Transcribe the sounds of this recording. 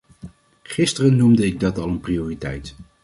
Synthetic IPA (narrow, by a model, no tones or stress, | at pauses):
χɪstərənːumdəɪɡ̚dɑtɑlˠənprioːritɛ̰jt